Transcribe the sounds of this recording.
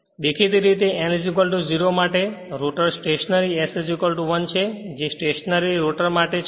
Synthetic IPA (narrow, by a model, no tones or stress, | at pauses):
d̪ekʰit̪iɾit̪eʔɛnd͡ʒik̬əlʈuziɾomaʈeɾoʈəɾsʈeʃənəɾiesed͡ʒikəlʈuʋənt͡ʃʰed͡ʒesʈeʃənəɾiɾoʈəɾmaʈe